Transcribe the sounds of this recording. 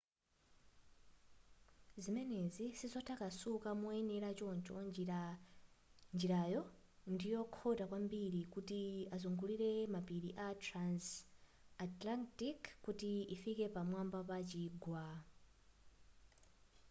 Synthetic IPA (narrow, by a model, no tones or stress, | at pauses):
zimɛnɛzisizɔtʰakasukamuɛnɛɾat͡ʃɔnt͡ʃɔ | nd͡ʒiɾajɔ | ndijɔkʰɔtakwambiɾikutiazɔŋɡuliɾɛmapiɾiʔatɾans | atlantikːutiːfikɛpamwambapat͡ʃiːɡwa